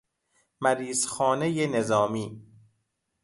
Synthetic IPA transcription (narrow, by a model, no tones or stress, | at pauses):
mæɾiːzxɒːnejenezɒːmiː